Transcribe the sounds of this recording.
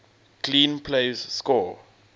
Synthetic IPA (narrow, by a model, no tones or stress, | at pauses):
kʰlĩnpʰlezskɔ